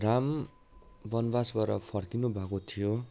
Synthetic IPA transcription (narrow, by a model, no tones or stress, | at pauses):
ram | bʌnbasbʌɾʌ̰pʰʌrkinubʱakot̪ʰijo